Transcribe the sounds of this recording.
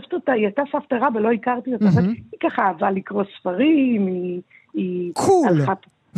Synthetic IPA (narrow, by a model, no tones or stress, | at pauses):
vt̪itaiatasaftaʁavelo̞ikaʁt̪iotaveikaχaaːvalikʁosfaʁimi | ikʰualχat